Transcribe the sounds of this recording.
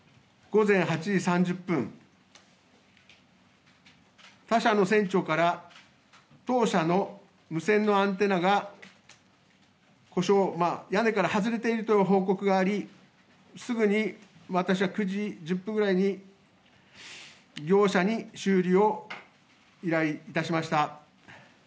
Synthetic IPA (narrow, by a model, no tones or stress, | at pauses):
ɡ̥o̞zẽ̞ɰ̃ɦat͡ɕiʑisãɲd͡ʑɨpːɯ̟̃ŋ | t̪aɕano̞sẽ̞ɲt͡ɕo̞kaɾa | t̪o̞ːɕano̞ | mɯ̟sẽ̞nːo̞ãnt̪e̞naɡa | ko̞ɕomajane̞kaɾahazɨɾe̞t̪e̞iɾɯ̟t̪o̞joɦo̞ːko̞kɯ̟ɡaːɾʲi | sɨɡɯɲ̟i | βat̪aɕiβakɯ̟ʑid͡ʑɨpːɯ̃ŋɡɯɾaiɲ̟i | ɡʲo̞ːɕaɲ̟iɕɨːɾʲio̞ | iɾaiːt̪aɕimaɕi̥t̪a